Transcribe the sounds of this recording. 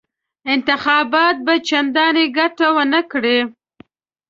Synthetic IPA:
ɪnt̪ɪxɑbɑt̪̚bat͡ʃand̪ɑneɡaʈawənəkɽe

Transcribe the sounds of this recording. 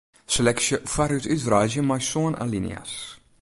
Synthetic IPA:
slɛksjəfaɾytytrajzjəmajsoəna̰linḭa̰s

